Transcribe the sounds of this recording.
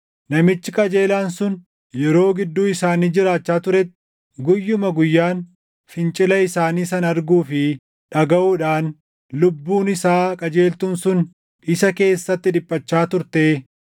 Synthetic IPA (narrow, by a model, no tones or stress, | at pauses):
nɐmɪt͡ʃːɪkʼɐd͡ʒe̞ːlaːnsʊn | jɛɾo̞ːɡɪd̪ːuːɪsaːniːd͡ʒɪɾaːt͡ʃːaːt̪ʊɾɛt̪ːɪ | ɡʊjːʊmɐɡʊjːaːn | fɪnt͡ʃʼɪlɐɪsaːniːsɐnɐɾɡuːfɪ | ᶑɐɡɐʔuːᶑaːn | lʊbːuːnɪsaːkʼɐd͡ʒe̞ːlt̪ʊnsʊn | ɪsɐke̞ːsːɐt̪ːɪᶑɪpʼːɐt͡ʃːaːt̪ʊɾt̪eː